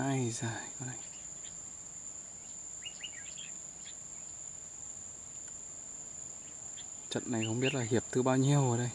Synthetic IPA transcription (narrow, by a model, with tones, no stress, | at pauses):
a˧jzaː˨˩jkɔ˨˧˦ɗa˧˩j | t͡ɕə̰˧˨t̚na˨˩jxə˧wŋ͡mɓi˦˥ət̚laː˨˩hi˨˩əp̚t̪ɨ˨˧˩ɓaː˧wɲi˧əwʔəː˨˧˦ɗə˧j